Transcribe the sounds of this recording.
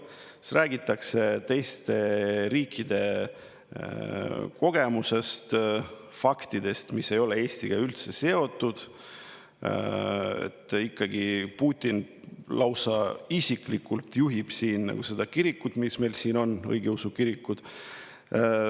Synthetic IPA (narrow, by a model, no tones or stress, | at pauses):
ræːɡ̥it̪ːˑɑkse̞t̪e̞jst̪e̞ɾiːkʰːid̪e̞ | ko̞ɡ̥e̞muse̞st̪ | fɑkt̪id̪e̞st̪misːe̞jo̞lee̞ːst̪iɡ̥ɑylt̪se̞se̞o̞t̪ːˑud̪̥ | ḛt̪ːˑikːɑɡipuːt̪ʲːˑin | lɑwsɑisiklikːult̪juɦib̥siːnːnɑ̰ɡ̥use̞d̪̥ɑkiɾikːˑud̪̥mismejlsiːno̞nɤ̰jɡeusukiɾikːud̪̥